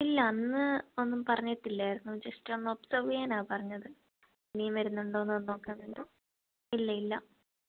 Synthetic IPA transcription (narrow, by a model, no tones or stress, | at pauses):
ilːɐɐnːɨo̞nːumpɐrɐɲːɐʈːilːaːjɾunːud͡ʑɐstonːopsɐrʋejaːnaːpɐrɐɲːɐðɨ | eniːmʋɐɾunːuɳɖoːnːonːo̞ːkːeːnːuɳɖo | ilːɐilːɐ